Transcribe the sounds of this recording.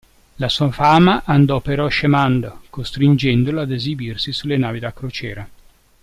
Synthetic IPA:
lasuafamaʔand̪ɔpːeɾɔʃemand̪okost̪ɾind͡ʒɛnd̪olaad̪ezibirsisulenaːvid̪akːɾot͡ʃɛːɾa

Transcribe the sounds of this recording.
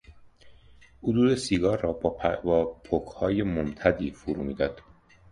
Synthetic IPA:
hod̪uːd̪esiɡɒːrːɒːbbɒːpʰokʰhɒːje̞momt̪ʰæd̪iːfuɾuːmiːd̪ɒːd̪̥

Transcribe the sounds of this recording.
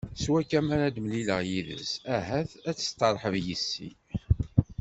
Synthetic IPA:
swækːæmæɾæd̪mliləʁjiðə̰sæɦæθæt͡sːə̥st̪ˤːɑɾˤħəvjisːḭ

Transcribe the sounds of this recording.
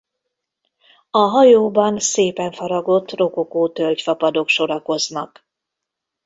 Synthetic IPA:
ɒɦɒjoːbɒnseːpɛɱfɒɾɒɡo̞t̪ːro̞kokoːt̪ølcfɒpɒd̪o̞kʃo̞ɾɒko̞znɒ̰k

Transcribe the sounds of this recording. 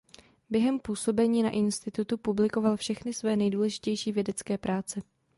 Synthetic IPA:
bjɛɦɛmpuːso̞bɛɲiːna̰ʔɪnst̪ɪt̪ut̪upublɪko̞valfʃɛxnɪsvɛːnɛjduːlɛʒɪcɛjʃiːvjɛdɛt͡skɛːpɾʔaːt͡sɛ

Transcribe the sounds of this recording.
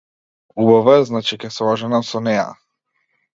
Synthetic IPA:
ubavaznat͡ʃikɛslˠaʒanamsɔnɛja̰

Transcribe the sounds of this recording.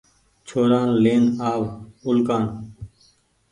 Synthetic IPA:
t͡ʃʰoːɾaːnleːnaːʋʊlkãːn

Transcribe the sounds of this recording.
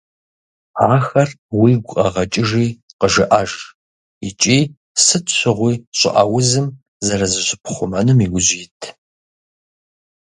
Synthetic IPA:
aːxɐr | wiːɡʷʊʔʼɐʁɐt͡ʃʼɪʒiːqəʒɨʔɐʒ | it͡ʃʼiː | sɨtʰɕʷʰɨʁʷiːɕʷʼɪ̰ʔɐ̰wʊzɨm | zɐɾɐzɨɕɪpʰχʷʊmɐnɨmiɡʷʊʑiːtʰ

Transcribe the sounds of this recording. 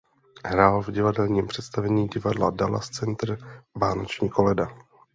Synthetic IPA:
ɦɾaːlvɟɪvadɛlɲiːmpr̝̥ɛt̪st̪avɛɲiːɟɪvadladala̰st͡sɛnt̪ɾvaːnot͡ʃɲiːko̞lɛda

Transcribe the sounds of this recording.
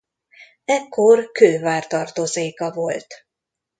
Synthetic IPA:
ɛkːo̞rkøːvaːrt̪ɒrt̪ozeːkɒvo̞lt̪

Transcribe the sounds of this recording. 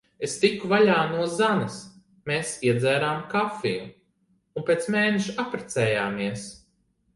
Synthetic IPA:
est̪ikːuvaʎʲaːnuɔzanɐs | meːsiɛd̪zɛːɾaːmkafḭju | unpʲeːt̪smeːneʃuapɾɛt̪sɛːjaːmiɛs

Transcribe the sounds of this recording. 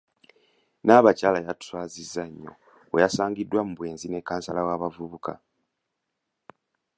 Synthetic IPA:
naːβacaːlajatu̥swaːzizːaɲːo̰ | wejasaːŋɡidːwamuβwe̞ːnzine̞kːaːnsalawaːβavuβuka̰

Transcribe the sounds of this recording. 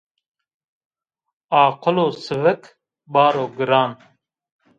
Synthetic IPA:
aːqʊloːsɨvək | bɑːɾoːɡɨɾaːn

